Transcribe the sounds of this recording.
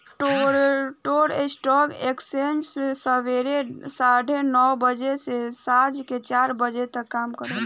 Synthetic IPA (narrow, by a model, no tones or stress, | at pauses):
ʈoʈoɾḛsʈɔkeksend͡ʒsesəbeɾesaɖʱenɔwbəd͡ʒesesad͡ʒket͡ʃaɾbəd͡ʒet̪əkːamkəɾəl